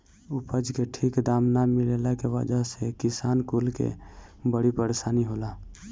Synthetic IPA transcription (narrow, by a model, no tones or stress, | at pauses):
upəd͡ʒkeʈʰikd̪aːmnamilelakewə̰d͡ʒaɦsekisaːnkulkḛbəɽipəɾesaːniɦola